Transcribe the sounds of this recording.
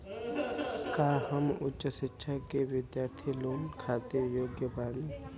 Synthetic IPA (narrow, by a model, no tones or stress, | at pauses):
kaːhəmʊtːt͡ʃəʃɪtːʃʰakeʋɪd̪jaːɾt̪ʰiloːnkʰaːt̪ejoːɡjəbaːni